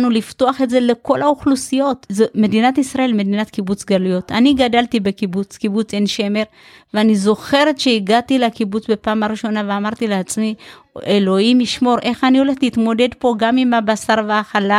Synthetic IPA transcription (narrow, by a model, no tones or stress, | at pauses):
nulifto̞aχetze̞le̞ko̞lauχlusijo̞tzeme̞dinatisʁaʔe̞lme̞dinatkibut͡sɡalujo̞taniɡadaltibe̞kibut͡skibut͡senʃe̞me̞ʁ | veanizo̞χe̞ʁetʃeiɡatilekibut͡sbe̞paːmaʁiʃo̞naveamaʁt̪ileat͡smi | elo̞imiʃmo̞ʁʔe̞χanio̞le̞χliitmo̞de̞dpo̞ɡamimabasaʁvaːχala